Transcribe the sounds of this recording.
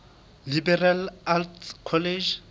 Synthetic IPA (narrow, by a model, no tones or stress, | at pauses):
libɛralaltkʰɔled͡ʒ